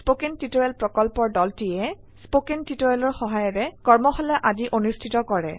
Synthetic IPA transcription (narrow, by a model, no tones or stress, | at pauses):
spokintitoɹɛlpɹɔkɔlpɔɹdɔltijɛ | spokentitoɹɛlɔɹxɔɦajɔɹɛkɔɹmɔxɔlɛʔadiʔonustʰitɔkɔɹɛ̰